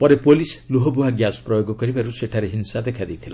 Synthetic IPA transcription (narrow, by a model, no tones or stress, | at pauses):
pɔɾepolisluɦɔbuɦaɡjasɔ̥pɾɔjoɡɔkɔɾibaɾuseʈʰaɾeɦinsad̪ekʰad̪ejt̪ʰila̰